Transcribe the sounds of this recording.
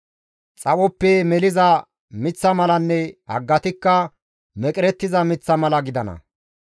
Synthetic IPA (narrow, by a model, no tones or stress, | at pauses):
t͡sʼɐwɔpːɛmɛlɪzɐ | mɪt͡sːɐmɐlɐnːɛhɐ̰ɡːɐt̪ɪkːɐ | mɛkʼɾɛt̪ːɪzɐmɪt͡sːɐmɐlɐɡɪd̪ɐnɐ̰